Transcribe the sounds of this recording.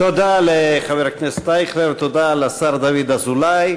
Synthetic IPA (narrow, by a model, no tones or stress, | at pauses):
t̪od̪aleχaveɾaknest̪aiχɾevt̪od̪alasaɾd̪avid̪azulaj